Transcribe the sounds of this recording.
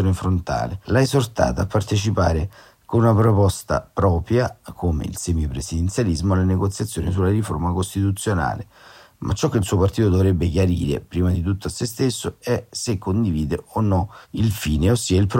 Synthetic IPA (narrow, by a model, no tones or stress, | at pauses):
onefɾont̪a̰ːlelaeszort̪a̰ːt̪aapːart̪et͡ʃipa̰ːɾe | konunapɾopɔst̪a̰pɾɔːpɾjakʰoːmḛḭlsɛmjopɾesid̪ent̪sjalizmoalːaneɡot̪sːjat̪sːjoːnis̬ulːarifo̰rmakost̪it̪ut̪sːjona̰ːle | mʔa̰t͡ʃːɔk̟ːeilsuːopart̪iːt̪od̪ovɾɛbːekjaɾḭːɾḛpɾiːmad̪it̪̬ut̪ːoasːest̪esːoɛsekʰːond̪iviːd̪eonːɔilfiːneosːiːailpɾ